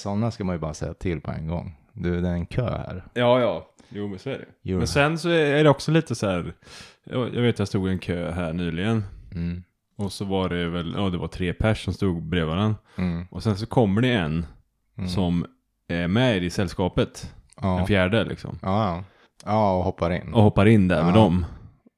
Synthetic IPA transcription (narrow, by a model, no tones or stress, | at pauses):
sɔnːaskamanjɵbɑːɾasɛ̰jːat̪ʰɪlpʰɔɛ̰nɡɔ̰ŋː | d̪ʉd̪ɛɾɛnkʰø̰ːhæ̰ɾjɑːjɑːjuːsɔæɖɛ̰mɛnsɛnsɔæɖɛɔksɔliːt̪əsæːɾjɑ̰ːjʔɑ̰ɡveːt̪jɑst̪uːɡɪɛnkʰøːɦæːɳyːlɪɡən | ɔsɔvaɖɛvɛljʔɑːd̪ɛvaʈ̪ʰɾeːpʰæʂːɔmst̪uːɡbɾeːvaɾən | ʔɔsɛns̬ɔkʰɔmːəɖɛɛn | sɔm | æɾmɛɪsɛlːskɑːpət̪dɛfjæːɖəlʔɪ̰ksɔ̰m | ɑːɔhɔpːaɾɪ̰nːɔhɔpːaɾɪnːd̪æ̰ɾmɛd̪ɔm